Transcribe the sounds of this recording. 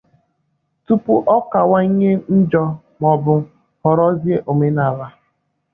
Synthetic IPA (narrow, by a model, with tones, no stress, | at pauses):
tu˦pʊ˦ʔɔ˦ka˨wa˦ɲe˦n̩˦d͡ʒɔ˦ | mɔ˨bʊ˨ | hɔ˨ɾɔ˦zje˦ʔo˨me˦na˨la˦